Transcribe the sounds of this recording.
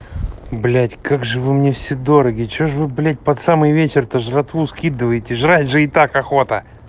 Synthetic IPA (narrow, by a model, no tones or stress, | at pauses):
blʲætʲkaɡʐɨvɨmnʲefsʲed̪o̞ɾəɡʲɪt͡ɕoʐvɨblʲæt̚ʲpɐt̪samɨjvʲet͡ɕɪrt̪əʐrɐt̪vuskʲid̪ɨvəjɪtʲɪʐɾajʲʐɨɪt̪akɐxo̞t̪ə̰